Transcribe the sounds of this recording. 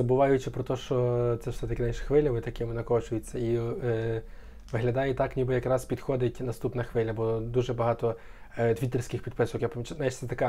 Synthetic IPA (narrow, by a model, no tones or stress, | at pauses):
zɐbʊʋɑjʊt͡ʃɪpɾɔt̪ɔʃt͡ʃɔt̪sɛwsɛt̪ɐkʲɪnjnʃxʋɪlʲɐmɪt̪ɐkɪmɪnɐkɔt͡ʃʊjɪt͡sʲːɐi | ʋɪɦlʲɐd̪ɑjɪt̪ɑknʲibɪjɐkɾɑzspʲid̪xɔd̪ɪtʲnɐst̪upnɐxʋɪlʲɐbɔd̪uʒɛbɐɦɑt̪ɔ | t̪ʋʲit̪ɪrsʲkɪxpʲid̪̚pɪsɔkjapɐmʲit͡ʃnaiʃt̪sɛt̪ɐkɛ